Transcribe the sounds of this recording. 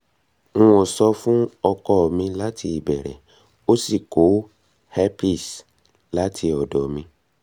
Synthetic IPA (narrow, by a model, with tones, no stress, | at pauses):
ɔ˨sɔ˧fũ˦ɔ˧kɔ˦˨mĩ˧la˦tʰi˧i˨bɛ˨ɾɛ̰˨ | o˦si˦˨ko˨˦ | hɛ˦pi˦˨s | la˦tʰi˧ɔ˨dɔ˨mĩ˧